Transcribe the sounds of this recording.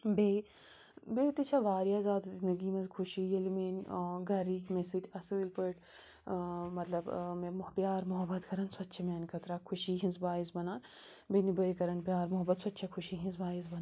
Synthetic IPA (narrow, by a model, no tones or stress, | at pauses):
beː | beːt̪it͡ʃʰaʋaːɾjaːzaːd̪zind̪ɐɡiːmɐ̃zkʰʊʃijɐlimeːnːɡɐɾiːkmesit̪ʲɐsɨːlpɨʈ | mɐt̪lɐbmẽmpjaːɾmʊɦɐbːɐt̪kɐɾɐnswɐtːʃʰɐmjaːnikʰɐt̪ɾaːkʰuʃiːɦĩnzbaːizbɐnaːn | benibəjkɐɾɐnpʲjaːɾmʊɦɐbːɐt̪swɐt̪ːt͡ʃʰɐkʰʊʃiːɦĩnzbaːizbɐn